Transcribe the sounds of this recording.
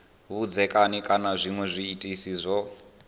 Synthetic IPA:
βud͡zɛkʼanikʼanazʷimwɛzʷiːtʼisizʷɔ

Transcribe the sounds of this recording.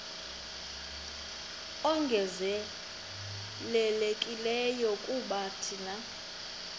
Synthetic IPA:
ɔŋɡʱɛzɛ | lɛlekʼilɛjɔkʼuɓatʰina

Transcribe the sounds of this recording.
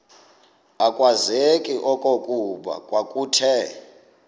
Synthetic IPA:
akʼwazekʼiʔɔkʼokʼuɓa̰kʼwakʼuːtʰɛ

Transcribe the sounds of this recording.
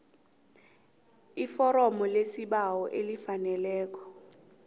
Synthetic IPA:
ifɔɾɔmɔlesiɓawɔʔelifanɛlɛːk̬ɔ̥

